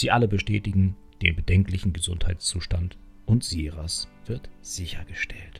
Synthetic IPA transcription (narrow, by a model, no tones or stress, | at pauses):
z̥iːʔaləbəʃtɛːtɪɡŋ̩ | d̥ḛːnbədɛŋklɪçn̩ɡəzʊnthaɪtt͡suːʃtant | ʔʊntz̥iʁasv̥ɪɐtz̥ɪçɐɡəʃtʰɛlt